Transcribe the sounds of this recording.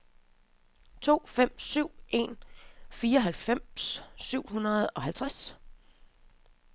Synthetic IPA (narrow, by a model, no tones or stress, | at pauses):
t͡sʰo̝̰ːfem̰syʊ̰ʔe̝̰nfiːɐɒɦælfem̰sːyʊ̰ɦunɐð̩ˠɒ̽ɦælt͡sʰʁas